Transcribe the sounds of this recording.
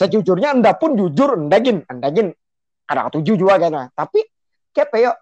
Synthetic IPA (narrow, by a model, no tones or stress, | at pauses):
sət͡ʃud͡ʒʊrɲaəndapʊnd͡ʒud͡ʒʊrəndaɡɪnəndaɡɪn | kada̰ŋt̪ud͡ʒud͡ʒuɡakanlat̪api | kiapejɔʔ